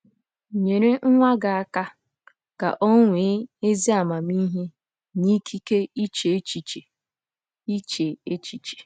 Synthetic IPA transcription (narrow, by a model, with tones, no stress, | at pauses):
ɲe˨ɾe˦ŋ̩˦ŋʷa˦ɡa˨a˨ka˦ | ka̰˨ʔo˦ŋʷe˨˦e˦zi˦a˨ma˨mi˦ɦe˦ | ni˦kʰi˦ke˦i˦t͡ʃe˨˦t͡ʃi˨t͡ʃe˨ | i˦t͡ʃe˨e˦t͡ʃi˨t͡ʃe̥˨